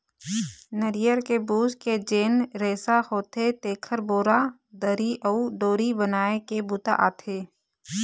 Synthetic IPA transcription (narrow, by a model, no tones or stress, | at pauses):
nəɾɪjəɾkebuːsked͡ʒeːnɾɛːsahoːt̪et̪eːkʰəɾboːɾa | d̪əɾiʔəuɖoːɾibənaːekebʊt̪a̰ʔa̰ːt̪ʰeː